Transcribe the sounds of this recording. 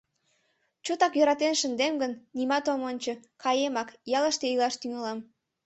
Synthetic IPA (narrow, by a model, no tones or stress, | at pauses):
t͡ɕot̪ɑkjøɾɑt̪enʃənd̪emɡənːimɑt̪omonʲt͡ɕəkɑjemɑkjɑləʃt̪eilɑʃt̪yŋɑlɑm